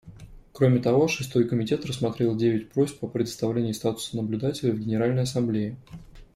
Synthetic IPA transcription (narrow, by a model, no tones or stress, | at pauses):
kɾo̞mʲɪt̪ɐvo̞ʂɨst̪o̞jkəmʲɪtʲe̞t̪rəsmɐt̪ɾʲelˠdʲevʲɪtʲpɾosʲpəpɾʲɪd̪əst̪ɐvlʲenʲɪjʊst̪at̪ʊ̥sənəblʲʉd̪atʲɪlʲɪvɡʲɪnʲɪɾalʲnəjɐsɐmblʲeɪ